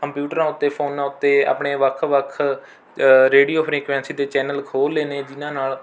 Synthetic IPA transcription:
kəmpjuːʈəɾãːʊt̪ːeːpʰoːnːãːʊt̪ːeːa̰ːpɳeːʋəkʰʋəkʰ | ɾeːɖiːoːpʰɾĩːkʋɛ̃ːnsiːd̪eːt͡ʃɛːnəlkʰoːlːeːneːd͡ʒɪnãːnaːl

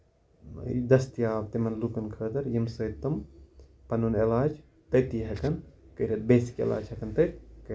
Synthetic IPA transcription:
d̪ɐst̪ijaːb̚t̪imɐnlukɐnkʰəːd̪ɐɾjimsɐːt̪ːɐmpɐnunelaːd͡ʒ | t̪ɐt̪iɦɐkɐnkɐɾɐt̪̚beːsi̥kḛla̰ːd͡ʒɦɐkɐnt̪ɐt̪kɐ

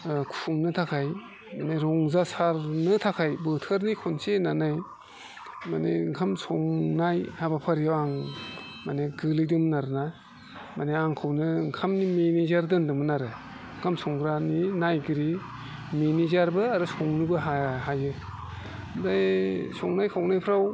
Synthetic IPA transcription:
kʰuŋnɯtʰakʰaj | maneɾɔŋzasaɾnɯtʰakʰajbɯtʰɯɾnikʰonsenanaj | maneŋkʰamsʰɔŋnajhabapʰaɾijawaŋ | maneɡɯlidumnaɾnaj | maneaŋkʰawnɯŋkʰamnimenizaɾdɯndɯmɯnaɾɯ | ŋkʰamsʰɔŋɡɾaninajɡɯɾi | menizaɾbɯaɾɯsɔŋnɯbɯɦaɦajɯ | dajsɔŋnajkʰawnajpʰɾaw

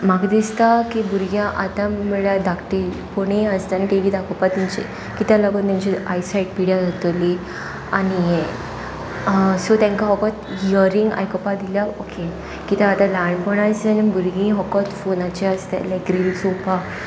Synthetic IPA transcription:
maɡd̪ist̪akibuɾɡjãʔat̪amiɭad̪ʱakʈi | poɳ̃eəst̪anaʈiʋid̪akɔpat̪ːimt͡ɕḛ | kit̪ãlaɡənt̪aɲt͡ɕiajsaiʈ̚piɽjad͡zat̪oli | anije | sot̪ãŋkaɦɔkɔt̪iəɾiŋɡa̰jkɔpad̪ilaokʰe | kit̪ãːt̪ãlaɳɖpɔɽ̃asenabuɾɡĩɦɔkɔt̪fonat͡ɕeast̪ḛlajkɾilisopa

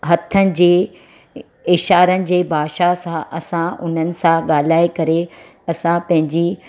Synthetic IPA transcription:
ɦɐt̪ʰənɪ̆d͡ʑeː | ɪʃaːɾənɪ̆d͡ʑeːbʱaːʃasãʔɐsãʊ̰n̤ənɪ̆sãɠaːl̤aːekɐɾe | ɐsãpɐ̃ɦɪ̃ɲd͡ʑi

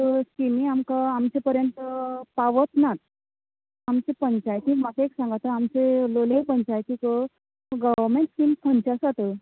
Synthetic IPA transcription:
əskimiamkaamt͡sepəɾjənt̪əpaʋət̪nat̪̚ | amt͡sepəɲt͡ɕajkĩkmat̪eeksãŋɡat̪ːəamt͡selolepəɲt͡ɕajkĩːkə | ɡəʋʋəɾmeɳʈskimpʰənt͡ɕasat̪ə

